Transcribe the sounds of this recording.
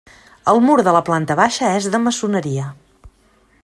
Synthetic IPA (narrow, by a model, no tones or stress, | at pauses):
əlˠmuɾðələplant̪əβaʃəɛzðəməsunəɾiə